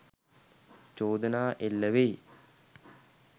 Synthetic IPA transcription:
t͡ʃoːd̪ənaːʔelːəʋej

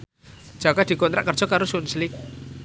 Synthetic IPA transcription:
d͡ʒ̥aɡ̥ad̥̪ikɔnt̪ɾa̰ʔkər̥d͡ʒ̥ɔkaɾosunslɪk̚

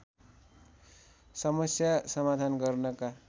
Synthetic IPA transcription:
sʌmʌsjasʌmad̪ʱanɡʌrnʌka

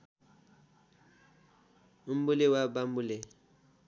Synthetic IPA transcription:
m̩bʊlewabam̩bʊle

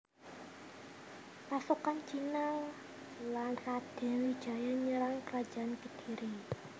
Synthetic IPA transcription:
pasukant͡ʃinal | lanrad̪̥ɛ̤wid̥ʒ̥a̤jaɲəɾaŋkəɾad̥ʒ̥a̤ankəd̥i̤ɾi

